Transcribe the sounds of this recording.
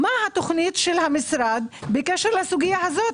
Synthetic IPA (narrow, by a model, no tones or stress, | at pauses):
mahat̪ʊxniːt̪ʃɪlhamɪsɾˤɑːd̪bɪkɛʃɾlasuɡɪjːahazoːt̪